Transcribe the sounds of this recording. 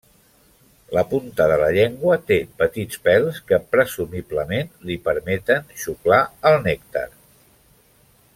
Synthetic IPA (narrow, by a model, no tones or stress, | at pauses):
ləpunt̪əðələʎeŋɡwət̪epət̪it͡spɛlˠskəpɾəzumibləmenlipəɾmɛt̪ənʃuklaəlˠnɛk̚t̪ə̰ɾ